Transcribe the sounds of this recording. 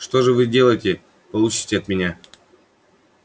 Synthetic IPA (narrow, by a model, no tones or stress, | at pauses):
ʂt̪o̞ʐɨvɨdʲe̞lˠəjtʲɪ | pɐlˠut͡ɕɪ̥tʲɪɐt̪mʲɪnʲa